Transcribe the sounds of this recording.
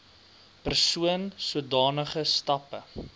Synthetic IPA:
pərsuənsuədɑːnəχəstɐpə

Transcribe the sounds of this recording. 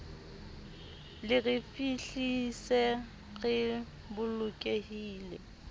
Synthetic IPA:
lɪrɪfiɬisɛ | ɣɪ | bʊlʊkʼehiːlɛ

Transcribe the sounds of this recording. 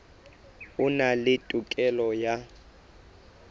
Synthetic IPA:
unalɪtʼukʼɛlɔja

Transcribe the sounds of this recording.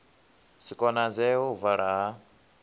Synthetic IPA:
sikʼɔnad͡zɛuvaɺaɦa

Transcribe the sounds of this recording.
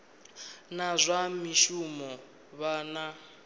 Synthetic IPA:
nazʷamiʃumɔ | βaːna

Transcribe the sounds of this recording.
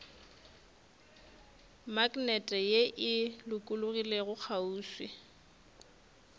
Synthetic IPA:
makʼnɛtʼɛjeʔɪlʊkʼʊlʊɣileɣʊk͡xʰauːswɪ

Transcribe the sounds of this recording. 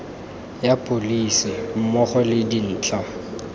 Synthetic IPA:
japʼolisɪm̩mɔχɔlɪdin̩ːt͡ɬʰʼa

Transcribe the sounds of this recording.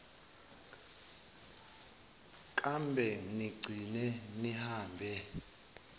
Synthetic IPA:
kʼambʱɛniɡ͡ǀʱinɛnihaːmbʱɛ

